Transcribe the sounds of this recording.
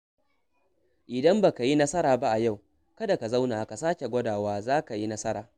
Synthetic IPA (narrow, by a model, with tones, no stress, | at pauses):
ʔɪ˨dɐ˦mba˨ka˨ji˦nɐ˦sɐ˦ɾaː˨ba˦ʔa˨ja˦˨w | kɐ˦da˨ka˨za˦wnaː˨ka˨saː˦kʲe˨ɡʷɐ˦daː˨waː˦zaː˦ka˨ji˦nɐ˦sɐ˦ɾaː˨